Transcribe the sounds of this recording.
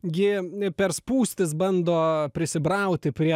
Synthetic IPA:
ɡʲɪpʲɛɾspuːsʲt̪ʲɪsbɐnd̪oːpʲɾʲɪsʲɪbɾɐʊt̪ʲɪpʲɾʲiɛ

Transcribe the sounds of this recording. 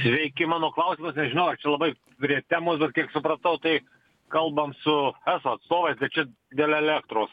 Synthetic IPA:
sʲʋʲɛɪkʲɪmɑːnoːklˠɐʊsʲimosnʲɛʒʲɪnɐʊɐrt͡ʃʲɛlˠɐbɐɪ | pʲɾʲiɛt̪ʲæːmoːsbʲɛt̪kʲiɛksʊpɾɐt̪ɐʊt̪ɐɪ | kɐlˠbɐmsʊæːsoːɐt̪st̪oːʋɐɪsbʲɛt̚t͡ʃʲɛ | d̪ʲeːlʲɛlʲæːkt̪ɾoːs

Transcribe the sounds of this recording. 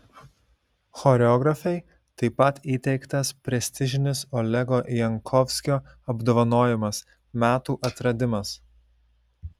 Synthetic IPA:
xɔːɾʲɛɔːɡɾɐfʲɛɪ | t̪ɐɪpɐt̪iːt̪ʲɛɪkt̪ɐspʲɾʲɛsʲt̪ʲɪʒʲɪnʲɪsɔlʲɛɡoːʔjɛŋkʰɔʋʲsʲkʲoː | ɐbd̪oːʋɐnoːjɪmɐs | mʲæːt̪uːʔɐt̪ɾɐd̪ʲɪmɐs

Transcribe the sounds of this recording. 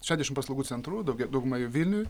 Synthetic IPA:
ʃʲæːʒʲd̪ʲɛʃʲɪmpɐslˠɐʊɡuːsʲɛnt̪ɾuːd̪ɐʊɡʲɛd̪ɐʊɡmɐjuʋʲɪlʲnʲu

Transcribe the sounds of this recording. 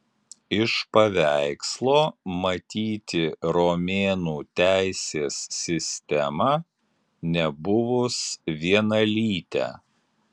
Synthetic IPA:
ɪʃpɐʋʲæɪkslˠoːmɐt̪ʲiːt̪ʲɪɾoːmʲeːnuːt̪ʲæɪsʲeːsːʲɪsʲt̪ʲɛmɐ | nʲɛbʊʋʊsʋʲiɛnɐlʲiːt̪ʲæ̰

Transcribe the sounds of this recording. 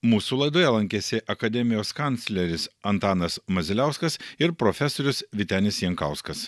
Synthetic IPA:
muːsuːlˠɐɪd̪oːjɛlˠɐŋʲkʲesʲɪʔɐkɐd̪ʲɛmʲɪjoːskɐnt̪sʲlʲɛɾʲɪsɐnt̪ɑːnɐsmɐzʲɪlʲæʊskɐsɪɾpɾofʲɛsoːɾʲʊsʋʲɪt̪ʲæːnʲɪsjɛŋkɑˑʊskɐs

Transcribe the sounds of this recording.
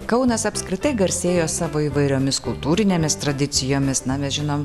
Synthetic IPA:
kɐʊnɐsɐpskɾʲɪt̪ɐɪɡɐɾʲsʲeːjoːsɑːʋoːiːʋɐɪɾʲoːmʲɪskʊlˠt̪uːɾʲɪnʲeːmʲɪst̪ɾɐd̪ʲɪsʲɪjoːmʲɪsnɐmʲɛsʒʲɪnoːm

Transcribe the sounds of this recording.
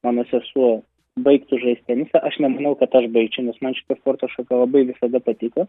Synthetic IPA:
mɑːnoːsʲɛsuɔ | bɐɪkt̪ʊʒɐɪsʲt̪ʲænʲɪsʲɛʔɐʃnʲɛmɐnɐʊkɐt̪ɐʃbɐɪt͡ʃʲʊnʲɛsmɐnt͡ʃʲɪ̥t̪ɐspoːrt̪oːʃɐkɐlˠɐbɐɪʋʲɪsɐd̪ɐpɐt̪ʲɪkɐ

